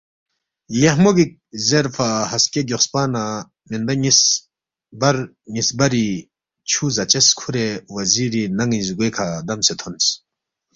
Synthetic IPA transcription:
jehmoɡik̚zeɾfʰahɐskeɡʲɔχspaːna | mind̪aɲis | bɐɾ | ɲisbɐɾi | t͡ʃʰuzɐt͡ɕeskʰuɾewɐziɾinɐŋizuɡekʰad̪ɐmset̪ʰɔns

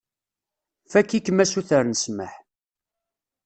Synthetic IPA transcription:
fækːikːəmæsuθəɾnəsməħ

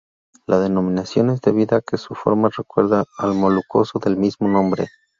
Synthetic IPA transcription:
lʔaðe̞no̞mĩnasjo̞ne̞zd̪e̞βiðakesufo̞̰ɾmarekwe̞ɾðaːlmo̞luko̞soðelmizmo̞nõ̞mbɾe

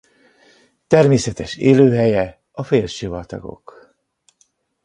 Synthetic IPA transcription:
t̪ɛrmeːsɛt̪ɛʃeːløːɦɛjɛ | ɒfeːlʃivɒt̪ɒ̰ɡo̞̰k

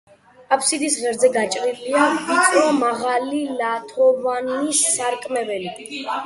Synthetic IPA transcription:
apʰsid̪isʁɛɾzɛɡat͡ʃʼɾiliaisʼɾamaʁalilat̪ʰɔvanisːaɾkʼmɛvɛli

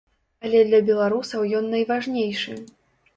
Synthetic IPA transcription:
ɐlʲɛd̪lʲɐbʲɛlˠaɾusɐwjɔnːɐjvaʐnʲejʂɨ

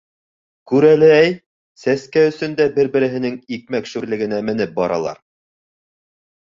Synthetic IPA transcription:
kʉɾælɘæj | sæskæɵ̆sɵ̆nd̪æbɘɾbɘ̆ɾɘ̆ɦɘ̆nɘŋik̚mækʃʉɾlɘ̆ɡɘ̆næmɘ̆nɘp̚bɒɾɑ̰lˠɑ̰ɾ

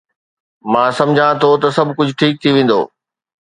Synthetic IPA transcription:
mãːsɐ̃md͡ʑʱãt̪ʰot̪ɐsɐbʱkʊd͡ʑʱʈʰiːk̚t̪ʰiʋẽːn̆d̪o̰ː

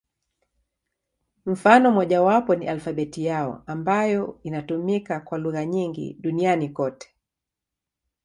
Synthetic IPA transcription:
m̩fanɔmɔʄawapɔniʔalfaɓɛtijaɔ̰ambajɔinatumikakwaluɣaɲiŋɡḭɗunianikɔtɛ̥

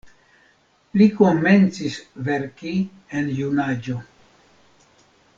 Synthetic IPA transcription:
likome̞nt͡sisveɾki | enjunad͡ʒo

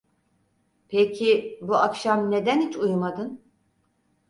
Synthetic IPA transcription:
pʰecʰibuakʃamne̞d̪ænhit͡ʃʰujmad̪ɯn

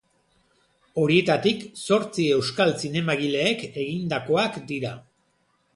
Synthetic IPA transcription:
o̞ɾie̞t̪at̪ikso̞ɾt͡sie̞wskalsine̞maɣile̞ːke̞ɣind̪ako̞akd̪iɾa

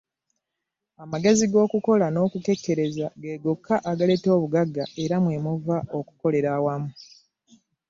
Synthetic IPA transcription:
amaɡe̞ziɡo̞ːkuko̞lano̞ːkuke̞kːe̞ɾe̞zaɡe̞ːɡokʰːaʔaɡale̞to̞ːβuɡaɡːae̞ɾamwe̞muvaʔo̞ku̥ko̞le̞ɾawamu

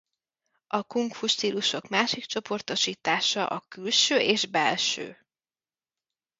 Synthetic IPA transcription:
ʔɒkuŋkfuʃt̪iːluʃo̞kmaːʃikt͡ʃo̞po̞rt̪oʃiːt̪aːʃɒʔɒkylʃøːʔeːʒbɛlʃø̰ː

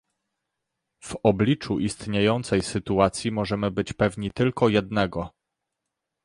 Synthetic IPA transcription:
v̥ɔblʲit͡ʂuʔist̪ɲejɔnt̪sɛjsɘt̪uat̪sʲjimɔʐɛmɘbɘt͡ɕpɛvɲit̪ɘlkɔjɛd̪nɛɡɔ

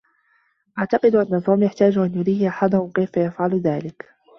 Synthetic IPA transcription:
ʔaʕt̪ɑqɨd̪ʔanːat̪oːmjaħt̪aːd͡ʒʔanjʊɾiːhʔaħad̪ʊhʊmkejfajafʕalðaːlɪk

